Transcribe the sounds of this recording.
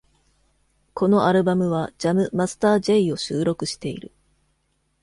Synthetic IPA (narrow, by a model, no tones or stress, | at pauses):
kʰo̞no̞ʔaɾɯ̟bamɯ̟β̞ad͡ʑamɯ̟masɨ̥t̪aːd͡ʑeio̞ɕɨːɾo̞kɯ̟ɕi̥t̪e̞ḭɾɯ̟